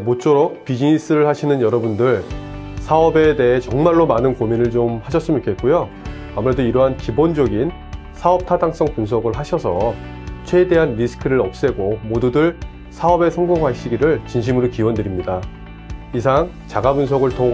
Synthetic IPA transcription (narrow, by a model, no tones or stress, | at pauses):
mot͡ɕ͈oɾok̚pid͡ʑiŋis͈ɯɾɯɭhaɕʰinɯnjʌɾʌbundɯɭ | sʰaʌbe̞de̞ɦe̞t͡ɕʌŋmaɭːomanɯnkominɯɭt͡ɕomhaɕʰʌs͈ɯmik͈ʰe̞t̚k͈ojo | amuɾe̞doiɾʌɦankibond͡ʑʌɡin | sʰaʌp̚tʰadaŋs͈ʌŋpuns̬ʰʌɡɯɭɦaɕʰʌsʰʌ | t͡ɕʰwe̞de̞ɦanɾisʰɯ̥kʰɯɾɯɾʌp̚s͈e̞ɡomodudɯɭ | sʰaʌbe̞sʰʌŋɡoŋɦwaɕ͈ʰiɡiɾɯɭt͡ɕinɕ̬ʰimɯɾokiwʌndɯɾimɲida | isʰaŋt͡ɕaɡabuns̬ʰʌɡɯɭtʌ